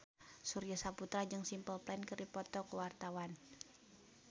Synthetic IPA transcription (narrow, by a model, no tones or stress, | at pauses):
surjasaput̪ɾad͡ʒɨŋsimpəlplainkərdipɔt̪ɔkəwart̪awan